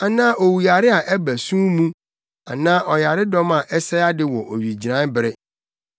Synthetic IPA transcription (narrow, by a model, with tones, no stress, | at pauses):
a˨nãː˦ʔo˨wu˨a˨ɾɪ˦a˨ʔɛ˦bæ˨sũ˦mũ˦ | a̰˨nãː˦ʔɔ˨ja˨ɾɪ˦dɔ˦ma˨ʔɛ˦sɛ˦a˦dɪ˦wɔ˨ʔo˨ɥi˨d͡ʑi˨ɾã˦bɪ˨ɾɪ˦